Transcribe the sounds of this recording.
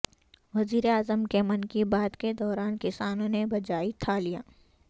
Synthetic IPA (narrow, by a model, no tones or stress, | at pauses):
ʋɐziːɾeaːzəmkemɐnkibaːd̪ked̪ɔːɾaːnkɪsaːnõnebɐd͡ʒaːit̪ʰalijaː